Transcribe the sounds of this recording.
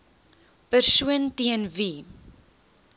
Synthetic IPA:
pərsuəntiənvi

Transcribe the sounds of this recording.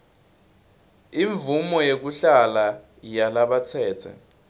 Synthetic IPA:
iɱvumɔjek̬uɬala | jalaɓat͡sʰɛːt͡sʰɛ̰

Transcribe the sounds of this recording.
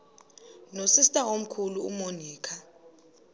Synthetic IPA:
nosistʼaom̩kʰuluṵmoniːkʰa

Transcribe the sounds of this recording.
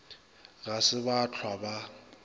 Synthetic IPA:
ɣasɪbat͡ɬʰwaba

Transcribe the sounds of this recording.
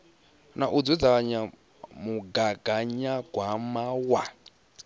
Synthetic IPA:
naʔud͡zud͡zaɲa | muɡaɡ̥aɲaɡ̥ʱwamawa

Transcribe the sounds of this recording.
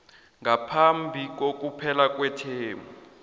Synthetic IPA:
ŋʱapʰambʱik̬ok̬ʼupʰɛlak̬ʼwɛtʰeːmʱu

